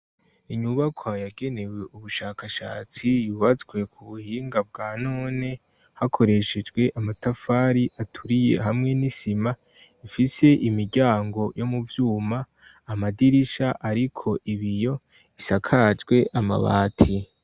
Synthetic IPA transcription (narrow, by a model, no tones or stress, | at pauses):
iɲuβakʰwajaɡe̞ne̞we̞ʔuβuʃaːkaʃa̰ːt͡sijuːβat͡sɡwe̞kʰuβuhiːŋɡab̚ɡaːnoːne̞ | hakʰo̞ɾe̞ʃe̞d͡ʒɡwe̞ʔamatafaːɾiʔatʰuɾije̞̰ɦamŋe̞nisima | ifise̞ʔimiɾɟaːŋɡo̞jo̞muvjuːmaː | madiɾiʃaʔaɾikʰo̞ʔiβijo̞ | isakʰad͡ʒɡwe̞ʔama̰βa̰ːtʰi